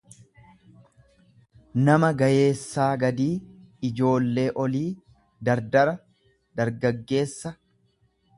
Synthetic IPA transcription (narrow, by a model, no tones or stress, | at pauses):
nɐmɐɡɐje̞ːsːaːɡɐd̪iːɪd͡ʒo̞ːlːe̞ːʔɔliː | d̪ɐɾd̪ɐɾɐ | d̪ɐɾɡɐɡːe̞ːsːɐ